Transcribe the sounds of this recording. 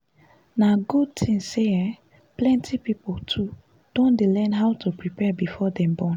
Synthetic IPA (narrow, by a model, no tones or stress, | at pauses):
naɡud̚tʰĩŋːeɛ | plɛ̃ntʰipipoltʰu | d̥ɔ̃ndelɛ̃nɦaʊtʰupɹipɛbifɔdɛ̃mbɔ̃n